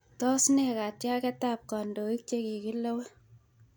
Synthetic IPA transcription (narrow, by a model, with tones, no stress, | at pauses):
tɔ˦snɛ˨ka˨tja˦kɛ˦ta˦p̚ka˨ndo˨i˦k̚t͡ʃe˦ki˨ki˦lo˦we˦